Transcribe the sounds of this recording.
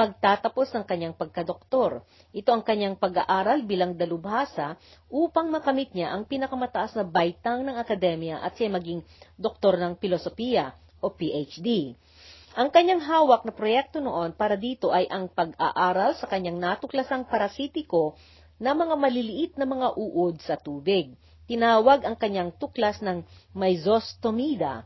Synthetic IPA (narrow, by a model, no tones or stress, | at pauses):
mɐɡ̚t̪aːt̪ɐpo̞snɐŋkɐɲːaŋpɐɡ̚kɐd̪ok̚t̪o̞ɾ | ʔɪt̪o̞ʔɐŋkɐɲaŋpɐɡa̰ʔaːɾɐlbiːlɐŋd̪ɐlʊbhaːsɐ | ʔuːpɐŋmɐkɐmit̪̚ɲaʔɐŋpinɐkɐmɐt̪ɐʔasnɐbajt̪aŋnɐŋɐkɐd̪ɛmjɐʔɐ̰t̪̚samɐɡiŋd̪ok̚t̪o̞ɾnɐŋpɪlosofijɐ | ʔo̞piʔet͡ʃd̪i | ʔɐŋkɐɲːaŋɦaːwɐk̚nɐpɾojɛk̚t̪o̞noʔo̞npaːɾɐd̪iːt̪o̞ʔɐjʔɐŋpɐɡa̰ʔaːɾɐlsɐkɐɲːaŋnat̪ʊklɐsɐŋpɐɾɐsiːt̪ɪko̞ | nɐmɐŋamɐlɪlɪʔɪt̪̚nɐmɐŋaʔuːʔod̪̚sɐt̪uːbɪɡ̚ | t̪ɪnaːwɐɡʔɐŋkɐɲaŋt̪ʊklɐsnɐŋmɐjzost̪omiːd̪ɐ̰